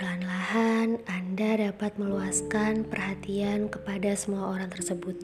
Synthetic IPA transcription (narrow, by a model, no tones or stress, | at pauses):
anlahanandadapat̪̚məluaskanpərhat̪iankəpadasəmuaoɾaŋt̪ərsəbut̪̚